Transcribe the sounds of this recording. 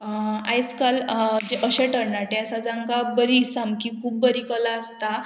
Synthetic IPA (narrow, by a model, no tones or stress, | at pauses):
a̰jskald͡ʑeʔəɕẽʈəɾɳaʈeəsad͡zãŋkabəɾisamkikʰuːb̚bəɾikəlaəst̪a